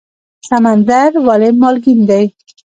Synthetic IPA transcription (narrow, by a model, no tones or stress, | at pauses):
samand̪aɾwalemɑlɡind̪aj